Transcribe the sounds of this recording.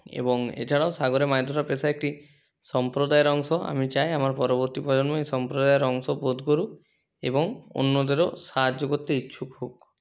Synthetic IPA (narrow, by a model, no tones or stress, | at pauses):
ḛbɔŋḛt͡ʃʰaɽaosaɡɔɾemajd̪ʱɔɾapesaek̚ʈi | sɔmpɾod̪ajɾɔŋsɔa̰mit͡ʃajamaɾpɔɾɔbɔɾt̪ipɔd͡ʒɔnmɔesɔmpɾod̪ajɾɔŋsɔbod̪ʱkɔɾu | ḛbɔŋo̰nːɔd̪eɾɔsaɦad͡ʒɔɡɔt̪ːeitːʃʰukɦok